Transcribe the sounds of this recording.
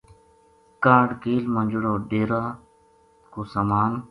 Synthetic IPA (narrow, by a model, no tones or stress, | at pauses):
kãːɽkeːlmə̃nd͡ʒɽoːɖeːɾaː | koːsamaːn